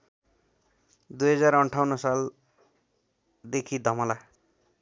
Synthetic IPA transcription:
d̪ujɦʌd͡zaɾʌɳʈʰawnʌsal | d̪ekʰid̪ʱʌmʌla

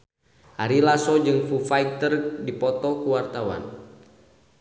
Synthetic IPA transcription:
haɾilasɔd͡ʒɨŋfufajk̚t̪ərdipɔt̪ɔkuwart̪awa̰n

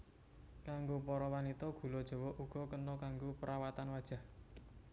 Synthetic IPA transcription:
kaŋɡopɔɾɔwanit̪ɔɡ̥ṳlɔd̥ʒ̥ɔ̤wɔʔuɡ̥ɔ̤kənɔkaŋɡopəɾʔawat̪anwad̥ʒ̥a̤h

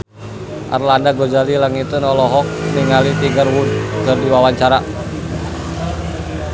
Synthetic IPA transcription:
ʔa̰rlandaɡod͡ʒalilaŋit̪ənɔlɔɦɔk̚riŋalit̪iŋɡərwunkɨrdiwawaɲt͡ʃaɾa

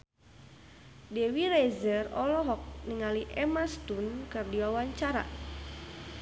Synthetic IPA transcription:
dɛwiɾɛzərɔlɔɦɔk̚niŋaliʔɛmast̪unkɨrdiwawaɲt͡ʃaɾa̰

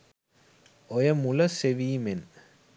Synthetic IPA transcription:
ɔjɐmulɐseʋiːmen

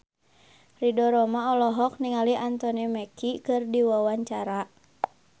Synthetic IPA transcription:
ridɔɾɔmaɔlɔɦɔk̚niŋaliant̪ɔnimɛkʰikɨrdiwawaɲt͡ʃaɾa

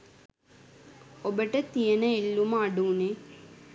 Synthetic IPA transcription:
obəʈət̪ijənəilːuməaɖuːne

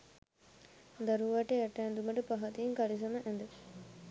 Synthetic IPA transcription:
d̪ɐɾuʋɐʈejɐʈæːnd̪umɐʈəpɐɦɐt̪iːŋkɐlis̬ɐmɐʔɛ̃nd̪ə

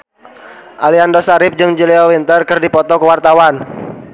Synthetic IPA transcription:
ʔaliandɔsaɾɪp̚d͡ʒɨŋd͡ʒiliɔwint̪ərkɨrdipɔt̪ɔkəwart̪awan

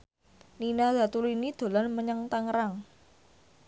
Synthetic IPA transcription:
ninad̪̥a̤t̪ulinid̪̥o̤lanməɲaŋt̪aŋɾaŋ

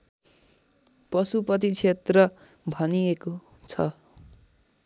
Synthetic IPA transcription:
pʌsupʌt̪it͡sʰet̪rʌ | bʱʌnijeko | t͡sʰʌ

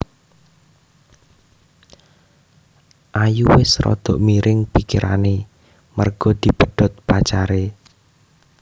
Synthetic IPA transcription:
ʔajuwɪsrɔ̰d̪̥ɔ̤ʔmiɾʔɪŋpikiɾʔa̰ne | mərɡ̥ɔd̪̥i̤b̥ə̤ɖ̪̥ɔ̤t̪̚pat͡ʃaɾe

